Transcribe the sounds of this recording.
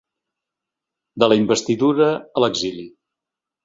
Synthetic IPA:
d̪ələimbəst̪iðuɾəːləɡzili

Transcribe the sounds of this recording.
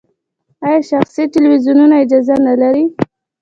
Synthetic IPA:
ajɑʃaxsiʈɪlwizjununaɪd͡ʒɑzanalaɾi

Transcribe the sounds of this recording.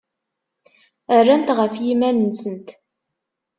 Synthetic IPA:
ərːænt̪ʁəfjimænənsənt̪

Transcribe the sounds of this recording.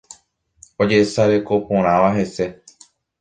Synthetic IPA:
o̞d͡ʒe̞saɾe̞ko̞põɾ̃ãʋaɦe̞se̞

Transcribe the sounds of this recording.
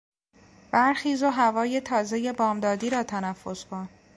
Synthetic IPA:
b̥æɾxiːzoɦævɒːje̞t̪ʰɒːze̞je̞bɒːmd̪ɒːd̪iːɾɒːt̪ʰænæfːo̞skʰon

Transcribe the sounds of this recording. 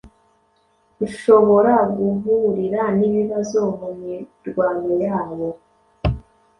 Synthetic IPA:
uʃo̞βo̞ɾaɡuvuɾiɾaniβiβazo̞mumiɾɡwaːŋojaːβo̞

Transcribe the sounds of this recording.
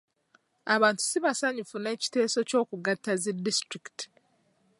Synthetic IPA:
aβaːntu̥siβasaɲufune̞ːci̥te̞ːso̞co̞ːkuɡatːazidːistɾiki̥ti̥

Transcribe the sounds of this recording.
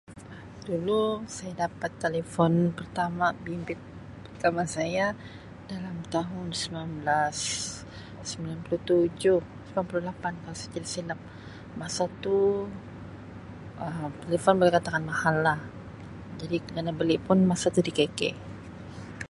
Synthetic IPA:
dulusajadapat̪ːelefɔnpərt̪amabimbɪt̪̚ | pərt̪amasaja | dalamt̪aɦʊnsəminablasː | əmbilanpuluht̪ud͡ʒʊhsəmianpululapankalasat̪ilasilap̚ | masat̪u | əmt̪elefɔnbolakat̪akanmahalːah | d͡ʒadikəɡanabəlɪʔpʊnmasat̪udikekɛ̰ʔ

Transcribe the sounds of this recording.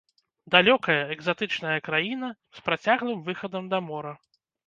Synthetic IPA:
d̪alʲɔkɐjɐɛɡzat̪ɨt͡ʂnɐjɐkɾajinɐ | spɾat͡sʲaɣlˠɨmvɨxɐd̪ɐmd̪ɐmɔɾɐ

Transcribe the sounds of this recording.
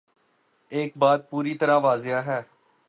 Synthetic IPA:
ɪːkbaːd̪̚puːɾiːt̪əɾãːʋaːzɪjaːɦɛː

